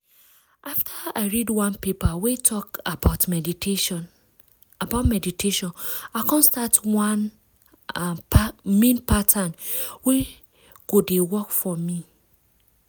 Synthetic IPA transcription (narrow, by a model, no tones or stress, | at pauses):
ʔaftʰaaɪɹidwãnpepawetʰɔkabaʊtmi | abaʊtmɛditʰeʃɔ̃nakɔ̃nstatwan | mẽnpʰatʰãnwe | ɡ̥odewɔkfɔmi